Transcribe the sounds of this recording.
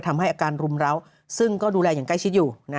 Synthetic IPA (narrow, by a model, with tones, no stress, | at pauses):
t̪ʰa˧mɦa˥˩jʔaː˧kaː˧nɾu˧mɾa˦˥w | sɯ˥˩ŋkɔː˥˩duː˧lɛː˧jaː˨˩ŋkla˥˩jt͡ɕʰi˦˥t̪̚juː˨˩na˦˥